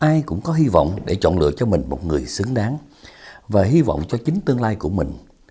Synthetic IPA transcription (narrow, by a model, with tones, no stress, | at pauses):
ʔaː˧jkʊ̰˧˥ŋ͡mkɔ˨˦ɦi˧vɔ̰˧˨wŋ͡mɗe˧˩t͡ɕɔ̰˧˨nlɨ̰˧˨ət͡ɕɔ˧mï˨˩ŋ̟mo˨˩t̚ŋɨ˨˩əjsɨ˨˦əŋɗaː˨˦ŋ | vaː˨˩ɦi˧vɔ̰˧˨wŋ͡mt͡ɕɔ˧t͡ɕï˨˦ŋ̟t̪ɨ˧əŋlaː˧jku˧˩əmï˨˩ŋ̟